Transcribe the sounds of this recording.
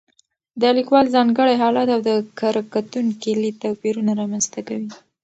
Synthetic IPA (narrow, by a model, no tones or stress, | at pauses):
d̪əlikwɑlzɑŋɡəɽajɦɑlɑt̪awd̪əkaɾkat̪uŋkilit̪apiɾunaɾɑmanzt̪akawi